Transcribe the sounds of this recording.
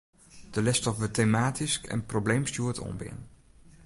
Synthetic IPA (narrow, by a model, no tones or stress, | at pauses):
d̥əlɛstɔpʋətejmaːtiskɛ̰nprowblejmsjuːɹtʰɔ̰mbɪ̰n